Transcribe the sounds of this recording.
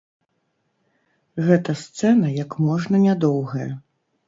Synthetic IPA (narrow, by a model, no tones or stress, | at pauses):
ɣɛt̪ɐst̪sɛnɐjɐkmɔʐnɐnʲad̪ɔwɣɐjɛ